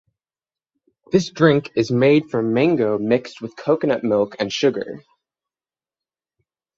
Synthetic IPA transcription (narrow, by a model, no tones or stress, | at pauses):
ðɪsdɹɪ̃ŋkɨzmeɪd̥fɹʌ̃mɪ̃ŋɡoʊmɪkst̚wɨð̥kʰoʊkɨnʌp̚mɪlˠkɨ̃nʃʊɡə̰˞